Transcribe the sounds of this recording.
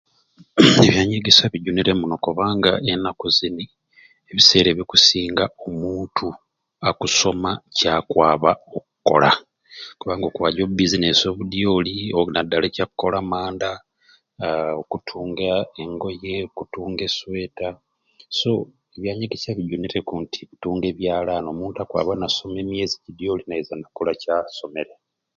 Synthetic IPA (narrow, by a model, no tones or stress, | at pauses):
eβjaːɲeɡisaβiɟuniɾemuno̞koβaːŋɡa̰ʔenakuzini | eβise̞ːɾe̞βikusiːŋɡaomuːntʰu | akuso̞macaːkwaːβaok̚uko̞̰la | kuβaːŋɡokuwaːɟoubizineso̞ːβudijolionadːalecakukːo̞lamaːnda | okutʰuːŋɡaeŋɡo̞je̞okutuːŋɡeswe̞ːta | so̞ | eβjaːɲeɡesaβidonetekuntʰi̥utuːŋɡe̞βjaːlano̞ːmuːntakwa̰ːβanaso̞me̞ːmjeːzicidijo̞ːlinaezandakolacaso̞me̞ɾe